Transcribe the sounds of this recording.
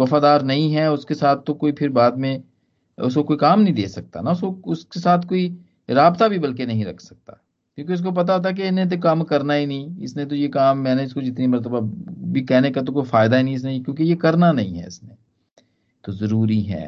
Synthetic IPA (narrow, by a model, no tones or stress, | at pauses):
ʋɐfaːd̪aːɾnɐɦĩɦɛʊskesaːt̪̚ʰt̪ːokoːipʰɪɾbaːd̪mẽ | ʊskokoːikaːmnɐɦĩd̪eːsɐk̚t̪a̰naʊskoʊskesaːt̪ʰkoːi | ɾaːbt̪abʱibɐlkenɐɦĩɾɐ̰kʰsɐ̥k̚t̪a̰ː | kjõːk̬eʊs̬k̬op̬ɐt̪̬at̪ʰak̬eɪnẽt̪̬okaːmkɐɾnaɦinɐɦĩɪ̰snẽt̪̬ojekaːmːɛ̃ːneɪskod͡ʒɪt̪nimɐɾt̪əbabʱikɛɦnekat̪̬okoːifaːɪd̪aɦinɦĩɪs̬nekjõːkejekɐɾnanɐɦḭ̃ɦɛ̰ɪ̰snẽ | t̪ozɐɾuːɾiɦɛ̰ː